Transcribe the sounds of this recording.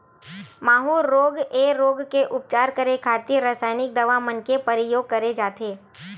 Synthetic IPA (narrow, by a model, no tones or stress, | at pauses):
maːɦuːɾːoːɡeɾoːɡkeʔʊp̚t͡ʃaːɾkəɾekʰaːt̪iɾaːsaːɪnɪk̚d̪ɐʋamənkepəɾɪjoːɡ̚kɐɾed͡ʒaːt̪eː